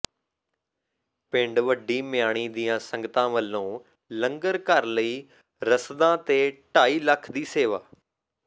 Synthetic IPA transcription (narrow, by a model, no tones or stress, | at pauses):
pɪ̃ɳɖʋəɖiːmɪjaːɽ̃iːd̪iːãːsə̃ŋɡət̪ãːʋəlːõː | lə̃ŋɡəɾkəɾləiː | ɾəsd̪ãːt̪eːʈaːiːləkʰd̪iːseːʋaː